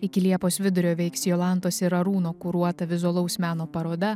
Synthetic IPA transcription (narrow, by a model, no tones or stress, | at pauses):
ɪkʲɪlʲiɛpoːsʋʲɪd̪ʊɾʲoːʋʲɛɪksjoːlˠɑˑnt̪oːsʲɪɾɐɾuːnoːkʊɾuɔt̪ɐʋʲɪzʊɐlˠɐʊsmʲæːnoːpɐɾoːd̪ɐ